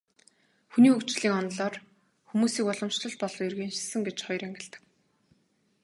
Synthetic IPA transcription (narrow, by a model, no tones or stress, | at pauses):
xuniːukt͡ɕɮiːŋɔnɮɔːr | xumuːsiːkɔɮɞ̆mʃɮɞ̆ɮ̚pɔɮɞ̆erɣiːnʃsə̆ŋɡet͡ɕχɔj̆ɾæŋɡʲɪ̆ɮt̪ə̥̆k̚